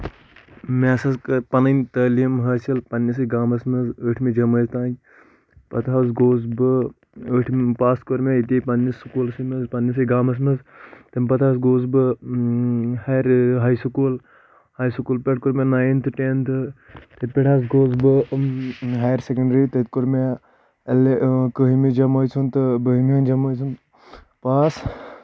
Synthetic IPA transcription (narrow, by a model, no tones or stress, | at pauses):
maːsɐzkɐpɐnɐnt̪ɐːliɐmɦɐːt͡ʃɐlpɐnːɐs̬ɐjɡaːmɐsmɐzəːʈʰmid͡ʒɐmɐːzt̪aːnʲ | pɐt̪ʰaːzɡoːzbɨ | əːʈʰmpaːst̪koɾmʲeit̪ʲipɐnːɐsukuːlsimɐzpɐnːɐs̬ɐjɡaːmɐs̬mɐzt̪ɐmʲpɐt̪ʰaːsɡoːzbɨ | haɾɦaːjsukuːl | haːjsukuːlpeʈ̚ʰkuɾmenaːjint̪ʰɨʈent̪ʰɨ | t̪et̪̚pʲeʈʰaːzɡoːzbɨ | ɦajɾsekɐɳɖɾit̪et̪̚koɾme | ɐlekəɦimid͡ʒɐmɐːjt͡sʰunt̪ɨbəɦimiɐnd͡ʒɐmɐjt͡sʰunt̪ | paːs